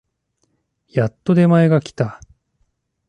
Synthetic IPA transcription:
jat̪ːo̞d̪e̞maeɡakʲi̥t̪a

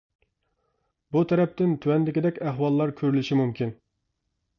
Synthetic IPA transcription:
but̪ʰɛɾɛp̚t̪ɪnt̪ʰywɛnd̪ɪkʲid̪ɛkʲæɦwɑlˠːɑɾkʲʰøɾylɪʃimumkʲin

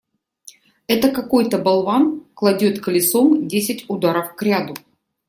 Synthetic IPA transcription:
ɛt̪əkɐko̞jt̪əbɐlˠvanklˠɐdʲot̪kəlʲɪso̞mdʲesʲɪtʲʊd̪aɾəfkɾʲad̪ʊ

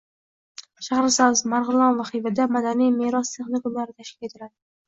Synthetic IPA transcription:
ʃahaɾsawzmaɾʁɨlˠɒnvaχɪvad̪amad̪anijme̞ɾɒst̪ʰe̞χnɪkʊmlaɾɪt̪ʰaʃkʲɪle̞t̪ʰɪlad̪ɪ

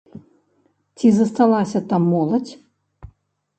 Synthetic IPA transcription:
t͡sʲizɐst̪alˠasʲɐt̪amːɔlˠɐt͡sʲ

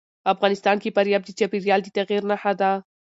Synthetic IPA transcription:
afɣɑnɪst̪ɑnkefaɾjɑb̚d̪ət͡ʃɑpiɾjɑld̪ət̪aɣiɾnaxad̪a

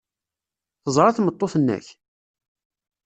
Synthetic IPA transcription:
θəzˤɾˤɑθmət̪ˤːoθənːæ̰ç

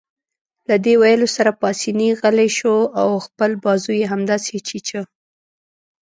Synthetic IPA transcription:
lad̪ewajəlosaɾapɑsiniɣəleʃoawxpəlbɑzujeɦamd̪ɑset͡ʃit͡ʃə

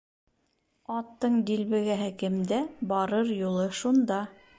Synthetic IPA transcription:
ɑt̪ːɤɴd̪ilβɘ̆ɡæɦɘkɘ̆md̪æbɑɾɤɾjulˠɤʃund̪ɑ

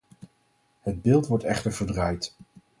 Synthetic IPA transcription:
həd̚bɪːlˠtʋɔɹtɛχtəɹvəɹdrajt

